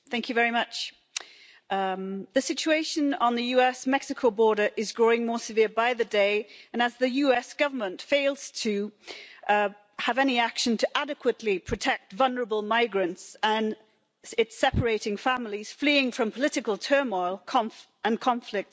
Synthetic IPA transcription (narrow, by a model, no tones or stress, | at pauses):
θæ̃ŋkjɨvɛɹimʌt͡ʃ | ðɨsɪt͡ʃueɪʃɨ̃nə̃nðɨjʉɛsmɛksɨkʰoʊbɔɹɾə˞ʔɨzɡɹoʊɪ̃ŋmɔɹsɨvɪɹbaɪðɨdeɪɨ̃nəzðɨjʉɛsɡ̥ʌvə˞mə̃ntfeɪlˠz̥tʰɨ | əvɛñiækʃɨ̃ntʰɨʔæɾɨkʰwətˡlipʰɹ̥ɨtʰɛk̚tvʌlˠnə˞əbəl̩ˠmaɪɡɹɨ̃ntsə̃n | ɪtsɛpə˞eɪɾɪ̃ŋfæ̃ml̩ˠiz̥fliɪ̃ŋfɹʌ̃mpʰəlɪɾɨkəlˠtʰɜ˞mɔɪlˠkʰɑ̃ɱf | ə̃nkʰɑ̃ɱflɪk̚t